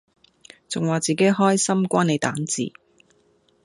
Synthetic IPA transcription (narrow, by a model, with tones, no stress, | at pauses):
t͡sʊ˨ŋwaː˨˩t͡siː˨ke˨˥jɦɔː˥jsɐ˥mkʷaː˥ne˨˧jt̪aː˨˥nt͡sḭː˨˩